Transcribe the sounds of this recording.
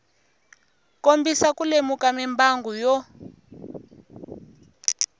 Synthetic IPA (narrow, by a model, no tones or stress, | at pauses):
kombisakulemukamimbaŋɡujɔ